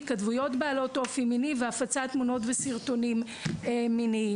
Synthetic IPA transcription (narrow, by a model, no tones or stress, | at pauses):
tkadvujo̞tbaːlo̞to̞fiminiveafat͡sat̪muno̞tvesiʁto̞nim | emːini